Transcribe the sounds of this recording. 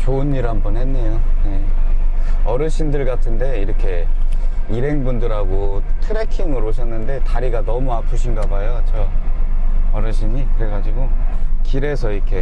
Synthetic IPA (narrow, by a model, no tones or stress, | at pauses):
t͡ɕoɯnːiɾɦanbʌnɦe̞nːejoje̞ | ʌɾɯɕʰindɯɭɡatʰɯnde̞iɾʌkʰe̞ | iɾɦe̞ŋbundɯɾɦaɡotʰɯɾe̞kʰiŋɯɾoɕʰʌnːɯnde̞taɾiɡanʌmuapʰuɕʰinɡabajot͡ɕʰʌ | ʌɾɯɕʰimikɯɾe̞ɡad͡ʑiɡokiɾe̞sʰʌiɾkʰe̞